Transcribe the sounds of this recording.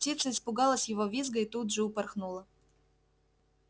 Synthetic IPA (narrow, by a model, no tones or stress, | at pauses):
tʲit̪səɪspʊɡɑlˠəsʲjɪvovʲizɡəɪt̪ud̪ʐɨʊpɐrxnulˠə